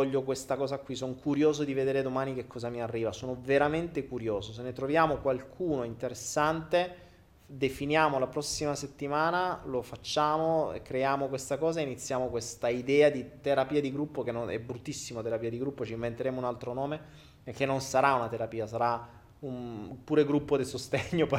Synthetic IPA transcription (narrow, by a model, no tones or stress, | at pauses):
ɔʎːokwest̪akɔːzakwisonkuɾjoːzod̪ived̪eːɾed̪omaːnikekʰːɔːzamiarːiːvasoːnoveɾament̪ekuɾjoːzos̬enːet̪ɾovjaːmokwalkʰuːnoint̪eɾesːant̪e | d̪efinjaːmolapɾɔsːimaset̪ːimaːnalofat͡ʃːaːmoḛkːɾejaːmokwest̪akɔːzaeinit̪sːjaːmokwest̪aid̪ɛːad̪it̪eɾapiːad̪iɡɾupːokenːonɛ̰bɾut̪ːisːimot̪eɾapiːad̪iɡɾupːot͡ʃiɱvent̪eɾeːmounalt̪ɾonɔːme | pek̟ːenːonsaɾaunat̪eɾapiːasaɾa | umpuːɾeɡɾupːod̪isost̪eɲːop